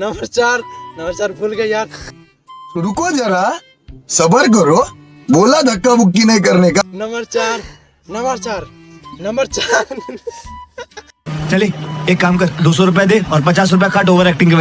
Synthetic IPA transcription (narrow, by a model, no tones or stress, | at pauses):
nɐməɾt͡ʃaːɾnɐməɾt͡ʃaːɾbʱʊlkejaːd̪ | sʊɽukod͡ʒɐɾa | sɐbəɾk̬ɐɾo | boːlad̪ʱɐkːabʊkːinɐɦĩk̬ɐɾnekanɐməɾt͡ʃaːɾ | nɐməɾt͡ʃaːɾ | nɐ̃mbəɾt͡ʃaɾ | t͡ʃɐleːeːkːaːmkɐd̪oːsɔɾʊp̬jad̪eːɔːɾpɐt͡ʃaːs̬ɾʊpjakaʈoːʋəɾɛːk̚ʈɪ̃ŋkeʋ